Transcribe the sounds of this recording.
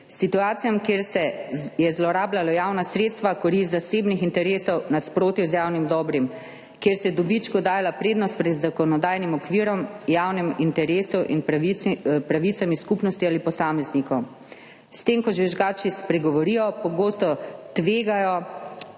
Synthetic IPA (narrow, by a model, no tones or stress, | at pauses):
sit̪uaːt̪sijamkjeɾsɛjɛzlɔɾaːblalɔjaːwnasɾeːt̪st̪ʋakɔɾist̪zaseːbnixint̪ɛɾeːsɔwnaspɾoːt̪juzjaːwnimd̪ɔːbɾim | kjeːɾsɛd̪ɔbit͡ʃkɔd̪aːjalapɾeːd̪nɔst̪̚pɾɛd̪zakɔnɔd̪aːjnimɔkʋiɾɔmjawnimint̪ɛɾeːsuʔinp | pɾaʋit̪samiskupnɔst̪ialipɔsaːmɛznikɔw | st̪eːmkɔʒʋɛʒɡaːt͡ʃispɾɛɡɔʋɔɾijɔpɔɡoːst̪ɔt̪ʋeːɡajɔ